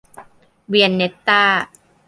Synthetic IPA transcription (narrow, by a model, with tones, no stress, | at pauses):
wi˧ənːe˦˥t̪ːaː˥˩